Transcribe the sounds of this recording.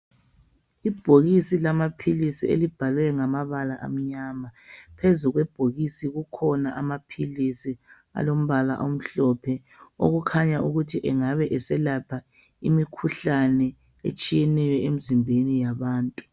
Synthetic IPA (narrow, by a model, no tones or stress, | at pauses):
ib̥ʱoɣisilamapʰilisiḛlib̥ʱalwɛŋamaβalaʔa̰m̩ɲamapʰezuɣwɛb̥ʱoɣisiɣukʰɔnaʔamapʰilisi | a̰lom̩βala̰ʔom̩ɬɔpʰɛ | o̰ɣukʰaɲaʔuɣutʰiʔɛŋaβɛʔɛsɛlapʰa | imikʰuɬanɛ | ḛt͡ʃʼijɛnɛjɔemizimbʱenijaβaːntʼu